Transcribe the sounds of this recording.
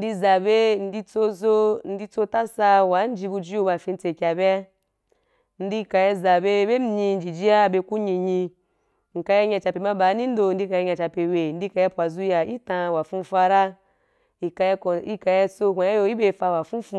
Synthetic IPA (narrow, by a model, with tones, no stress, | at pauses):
n̩˦di˧za˨be˦n̩˦di˧t͡so˧zo˧n̩˦di˧t͡so˧ta˦sa˧wa˨˦n̩˦d͡ʒi˧bu˧d͡ʒi˦jo˧ba˨fĩ˧n̩˦t͡se˧˨kʲa˨be˦a˧ | n̩˦di˧ka˧je˧za˨be˧˦be˦m̩˦i˧n̩˦d͡ʒi˨d͡ʒi˦ja˦be˧ku˦ɲi˧ɲi˧ | ŋ̩˨ka˧je˧ɲa˧t͡ʃa˧pe˨ma˦ba˨˦nĩ˦n̩˦do˧n̩˦di˧ka˧e˧ɲa˧t͡ʃa˨pe˨we˨n̩˦di˧ka˧je˧˦pʷa˨zu˧ja˨i˦tã˧wa˨fũ˧fa˧ɾa˦ | i˧ka˧ko˨i˦ka˧je˧t͡so˧kʷa˨ja˦jo˧i˦be˧˨fa˧wa˨fũ˦fũ˧